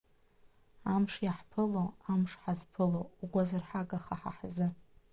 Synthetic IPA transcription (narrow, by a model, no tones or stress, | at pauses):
amʂjaħpʰɨloamʂħazpʰɨlowːɡʷazarħaɡaχaħa̰ħzɨ